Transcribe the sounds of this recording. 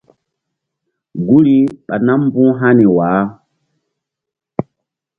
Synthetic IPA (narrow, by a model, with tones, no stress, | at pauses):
ɡu˦li˦ɓa˨na˦mbũ˦ɦa˦ni˨wa˨˦